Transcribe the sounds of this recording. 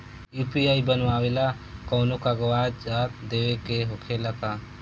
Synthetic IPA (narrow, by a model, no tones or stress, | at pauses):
juːpiaːibənʋaːwela | kɔːnokaɡəwaːd͡ʒd͡ʒaːt̪d̪eːʋekeɦʊkʰelaka